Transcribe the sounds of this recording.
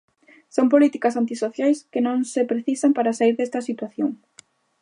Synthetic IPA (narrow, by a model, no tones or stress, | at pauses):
sompolit̪ikɐsant̪isoθjajskɪnõŋsepɾeθisampaɾasaiɾðest̪ɐsit̪waθjoŋ